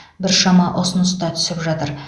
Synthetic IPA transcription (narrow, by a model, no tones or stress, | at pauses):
bɪɾʃɑmɑʔosənəst̪ɑt̪ʰʏ̥sɪpʒɑt̪əɾ